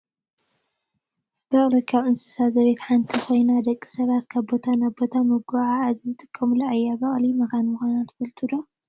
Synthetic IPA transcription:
b̥ɐχʼlɨkʰːaβʔɨnsɨ̥sazɐβe̞t̪ħant̪ʰikʰo̞jnad̪ɐkʼːi̥sɐβat̪kʰaβbo̞t̪ʰanaβbo̞t̪ʰamɨɡʷaʕaːzzɨt̪ʼɨkʼːɐmlɐajːaβɐχʼlimɐxanmɨxʷanat̪bɐlt̪ʼud̪o

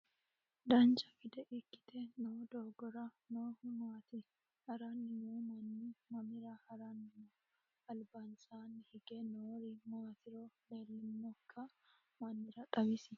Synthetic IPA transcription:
d̪ɐnt͡ʃɐɡɪd̪ɛʔɪkːɪ̥t̪ɛnoːd̪oːɡɔɾɐnoːmaːt̪ɪ | hɐɾanːɪmomɐnːɪmɐmɪɾɐhɐɾanːɪmo | ɐlbansaːnːɪhɪɡɛnoːɾimaːt̪ɪɾoleːlːɪnːɔkʰːɐ | mɐnːɪɾɐkʼɐbɪsɪ

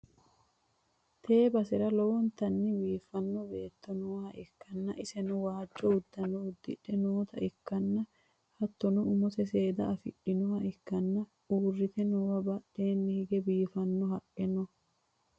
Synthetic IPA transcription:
t̪ʰe̞ːbɐsɪɾɐlɔwɔnt̪ɐnːɪbiːfːɐnːɔbe̞ːt̪ːɔnuːhɐʔɪkːɐnːɐʔɪsɛnʊwaːd͡ʒːɔʊd̪ːɐnɔʊd̪ːɪᶑɛnoːt̪ɐʔɪkːɐnːɐ | hɐt̪ːɔnɔʊmɔsɛseːd̪ɐɐfɪ̰ɗːɪnɔhɐʔɪkːɐnːɐ | uːrːɪt̪ɛnɔwɐbɐɗe̞ːnːɪhɪɡɛbiːfɐnːɔɦɐʔʼɛnɔ

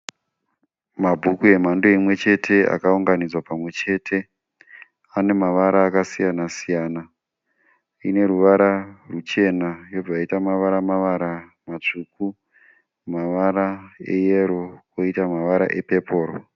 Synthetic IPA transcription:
mabʱukue̞mandoimwe̞t͡ʃe̞tʰe̞ʔa̰kauŋɡanid͡zwapamwe̞t͡ʃe̞ːtʰe̞ | ane̞maʋaɾaːkasijanasijaːna | ine̞ɾuʋaɾarut͡ʃe̞najo̞b͡vaaitamaʋaɾamaʋaɾamat͡ʂuːku | maʋaɾaejeɾo̞koitamaʋaɾa̰ʔe̞pe̞pʰo̞ːɾo

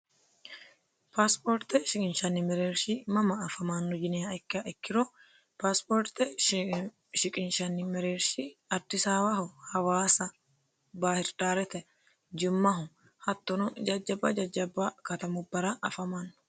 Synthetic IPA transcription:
paːspoɾt̪ːɛʃɪkʼɪnʃɐnːɪmɛɾeːɾʃɪmɐmɐːfɐmaːnːɔd͡ʒɪnɪjɐɛkːɪɐʔɛkːɪɾɔ | paːspoːɾt̪ɛ | ʃɪkʼɪnʃɐnːɪmɛɾeːɾʃɪɐd̪ːɪsaːwɐɦʊhɐwaːsɐ | baːhɪɾᶑaːɾɛt̪ɛ | d͡ʒɪmːɐɦʊ | hɐt̪ːɔnʊd͡ʒɐd͡ʒːɐbɐd͡ʒɐd͡ʒːɐbːɐkɐt̪ɐmʊbːɐɾɐʔɐfɐmaːnːɔ̥

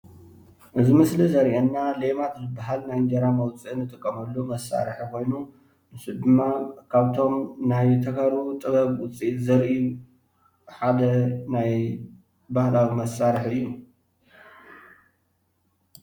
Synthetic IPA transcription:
ʔɨzimɨslizɐɾʔenːalemat̪zɨbːaɦalnajnd͡ʒɐɾamɐwt͡sʼiʔɨnːɨt̪ʼɨkʼːɐmɐlːumɐsːa̰ɾħikʰo̞jnu | nɨsud̪ɨmːakʰaβt̪ʰo̞mnajt̪ʰɐkʰaɾut̪ʼɨβɐβwʊt͡sʼiʔzɐɾʔi | ħad̪ɐnaj | bahlawimɐsaɾħɨjːu

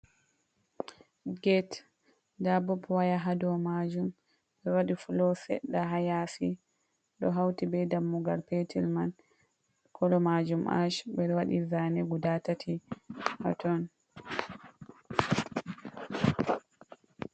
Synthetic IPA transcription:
ɡɛt | dabɔpwajaɦadɔmad͡ʒum | ɓɛwaɗifulɔsɛ̰ɗːaɦajasi | ɗɔɦawtibɛdamːuɡalpɛtilman | kʰɔlɔmad͡ʒumʔa̰ʃbɛwaɗizanɛɡudatatʰiha̰tɔn

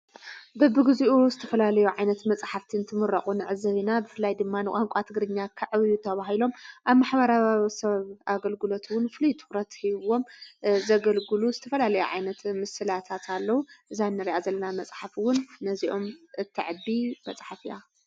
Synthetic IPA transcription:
bɐbɨɡɨzuʔuzɨt̪ʰɐfɐlalɐjuʕajnɐt̪mɐt͡sʼħaft̪ʰint̪ʰɨmɨɾɐχʼunɨʕɨzɐβinabɨfɨlːajd̪ɨmːanɨkʼaŋkʷʼat̪ʰɨɡɾɨɲːakʰaʕβjut̪ʰɐβaɦilo̞mʔaβmaħβɐɾaβaβisɐβʔaɡɐlɡɨlo̞t̪ʰwʊnfɨlujt̪ʰɨ̥xɾɐt̪hiβo̞mzɐɡɐlɡɨluzɨt̪ʰɐfɐlalɐjuʕa̰jnɐt̪mɨsɨlat̪ʰat̪ʰalːɐwuʔɨzanːɨɾiʔazɐlːɐnamɐt͡sʼħafwʊnːɐziʔo̞mʔɨt̪ʰːɨʕɨd̪ibɐt͡sʼħafiʔa̰

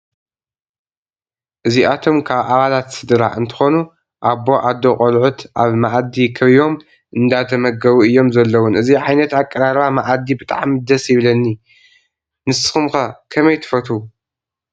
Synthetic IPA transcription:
ʔɨziʔat̪ʰo̞mkʰaβʔaβalat̪sɨd̪ɾa̰ʔɨnt̪ʰɨ̥xo̞nu | ʔaβːo̞ʔad̪ːokʼɐlʕut̪ʔaβmaʔad̪ikʰɐβiβo̞m | ʔɨnd̪at̪ʰɐmɐɡɐβuɨjːo̞mzɐlːɐwunɨziʕajnɐt̪akʼːɐɾaɾβamaʔad̪ibɨt̪ʼaʕmid̪ɐsjɪβlɐnːi | nɨsɨxɨmxakʰɐmɐjt̪ʰɨ̥fɐt̪u

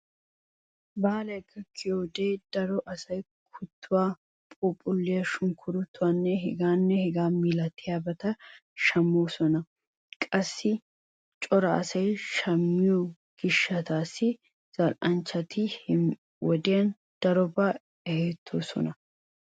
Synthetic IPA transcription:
baːlɐjkʰːɐkʰɪjoːd̪eːd̪̥ɐɾɔʔɐsɐj | kʰʊt̪ːʊwaː | pʼupʼʊlːɪjɐʃʊŋkʰʊɾʊt̪ːʊwanːɛɦɛɡaːnːɛhɛɡaːmiːlɐt̪ʰːɪjaːbɐt̪ɐʃɐmːoːsɔnɐ | kʼɐsːɪ | t͡ʃʼɔɾɐɐsɐjʃɐmːɪjɔ | ɡ̥ɪʃːɐt̪aːsɪ | z̥ɐlʔɐnt͡ʃːɐt̪ɪhɪ | wɔd̪ɪjɐn | d̪̥ɐɾɔbɐ | ɛheːt̪ʰːoːsɔ̰nɐ

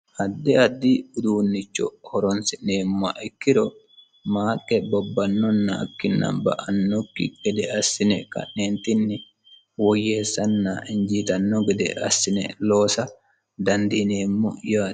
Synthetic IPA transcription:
ʔɐd̪ːɛɐd̪ːiʊd̪uːnːɪt͡ʃːɔ̰hɔɾɔnsɪneːmːɐ̰ʔɪkːɪɾɔ | maːkʼːɛbɔbːɐnːɔnːɐ̰ːkːɪnːɐ̰bɐ̰ʔɐnːɔkːɪ̰ɡɛd̪ɛɐsːɪnɛkɐ̰nneːnt̪ɪnːɪ | wɔjːeːsːɐnːɐɪɲd͡ʒiːt̪ɐnːɔɡɛd̪ɛ̰ʔɐ̰sːɪnɛ̰lo̞ːsɐ | d̪ɐnd̪ineːmːɔ̰jaː

